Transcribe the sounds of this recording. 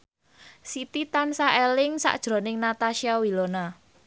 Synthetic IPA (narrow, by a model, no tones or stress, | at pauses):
sit̪it̪ansaʔelɪŋsa̰ʔd̥ʒ̥ɾo̤nɪŋnat̪aʃiawilona